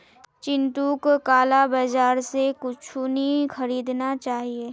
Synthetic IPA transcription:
t͡ʃɪ̃nt̪uːkkaːlabad͡ʒaːɾsekʊt͡ʃʰunixɐɾiːd̪nat͡ʃaːɦieː

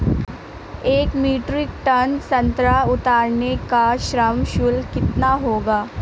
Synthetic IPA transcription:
eːkmiːʈɾɪkʈɐnsɐ̃nt̪ɾaʊt̪aːɾnekaʃɾəmʃʊlkɪt̪naɦoːɡaː

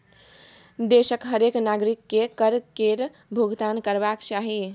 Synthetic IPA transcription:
d̪esəkɦəɾeknaɡɾikːekəɾkeɾ | bʱuɡt̪ankəɾbakt͡ʃaɦi

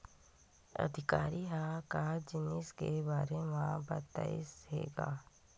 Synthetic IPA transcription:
ɐ̰d̪ʱɪkaːɾiɦakad͡ʒɪnɪskebaːɾemãbət̪ːa̰ɪ̰sɦḛːɡa̰ː

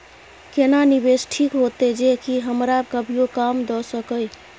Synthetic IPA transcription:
kenanibesʈʰikɦot̪ed͡ʒekiɦəmɾabkəbʱijokamd̪ɔsəkəj

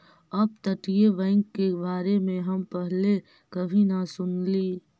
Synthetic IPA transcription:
ɐb̚t̪ɐʈijeʋɛ̃ːŋkːebaːɾemẽɦɐmpɛɦle | kɐbʱinasʊnliː

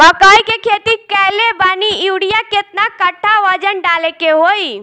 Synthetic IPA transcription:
bəkəjkekʰet̪ikɛɦlebaniuɽijaket̪nakəʈʰːaʋəd͡ʒənɖalekeɦoj

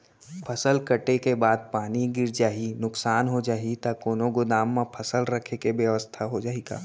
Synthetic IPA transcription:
pʰɐsəlkɐʈekebaːd̪̚paːniɡɪɾd͡ʒaːɦinʊksaːnɦod͡ʒaːɦit̪akoːnõɡʊd̪aːmːãpʰɐsəlɾɐkʰekeʋjəʋəst̪ʰaɦod͡ʒaːiɡa̰ː

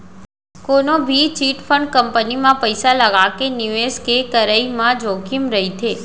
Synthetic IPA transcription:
konobʱit͡ʃiʈfʰəɳɖ̚kəmpənimãpəjsaləɡakenjueskekəɾəimãd͡ʒokimɾəɦit̪ʰe

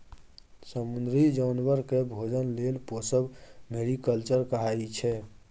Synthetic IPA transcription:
səmund̪ɾid͡ʒaːnwəɾkebʱod͡ʒənlelposəbmeɽikəlt͡ʃəɾkəɦait͡ʃʰɛ

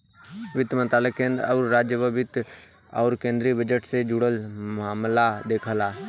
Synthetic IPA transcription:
ʋɪt̪əmə̃nt̪ɾaːləkːẽə̃nd̪ɾɔːɾɾaːd͡ʒjəbəbɪt̪ | ɔːɾkẽːnd̪ɾibəd͡ʒəʈsed͡ʒʊɽəlmaːmlad̪eːkʰəlaː

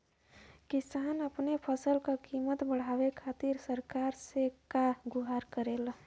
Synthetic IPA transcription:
kisanəpnepʰəsəlkakimət̪bəɽ̤aʋekʰat̪iɾsəɾkaɾsekaɡuɦaɾkəɾel

